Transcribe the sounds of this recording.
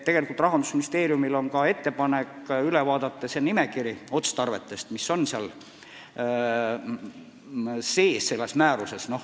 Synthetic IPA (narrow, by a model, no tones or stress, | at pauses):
t̪e̞ɡ̥e̞likult̪rɑɦɑnd̪u̥sminist̪e̞ːɾijumilo̞nkɑe̞t̪ːe̞pɑnekylevɑːd̪ɑt̪ːˑesenimekiɾio̞t̪st̪ɑrve̞t̪ːˑe̞st̪misːo̞nseɑl | se̞ːsse̞lːe̞smæːɾuse̞sno̞h